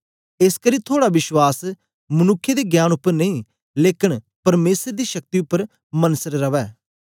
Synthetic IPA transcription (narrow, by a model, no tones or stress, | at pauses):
eskəɾiːt̪ʰoːɽaʋɪʃwaːs | mɐnʊkʰːed̪eɡjaːnʊpːəɾnɐĩː | leːkɪɳ | pɐɾmeːsəɾd̪iːʃɐk̚t̪iʊpːəɾ | mɐnsəɾːɐʋɛː